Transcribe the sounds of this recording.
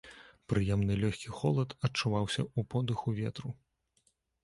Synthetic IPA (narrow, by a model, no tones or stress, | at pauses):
pɾɨjɛmnɨlʲɔxʲkʲixɔlˠɐt̪ɐt͡ʂːuvawsʲɐ̰upɔd̪ɨxuvʲɛt̪ɾu